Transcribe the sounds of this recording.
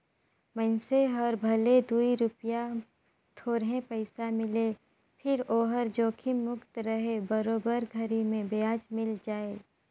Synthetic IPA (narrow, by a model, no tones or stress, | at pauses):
mənseɦɐɾbʱɐled̪uiɾʊpja | t̪ʰoːɾɦẽpəɪsamɪle | pʰɪɾoːɦəɾd͡ʒoːkʰɪmːʊkt̪ɾəɦebəɾoːbəɾɡʱəɾimẽbeaːd͡ʒmɪld͡ʒaːeː